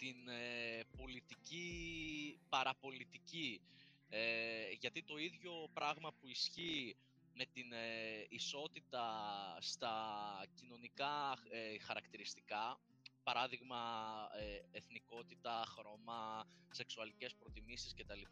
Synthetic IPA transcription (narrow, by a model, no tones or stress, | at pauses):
t̪inepo̞lit̪ici | pɐɾɐpo̞lit̪ici | eʝɐt̪it̪o̞iðʝo̞pɾɐɣmɐpuisçi | me̞t̪ineiso̞t̪it̪ɐst̪ɐcino̞nikɐexɐɾɐkt̪iɾist̪ikɐ | pɐɾɐðiɣmɐeeθniko̞t̪it̪ɐxɾo̞mɐse̞ksuɐlice̞spɾo̞t̪imisisce̞t̪ɐlip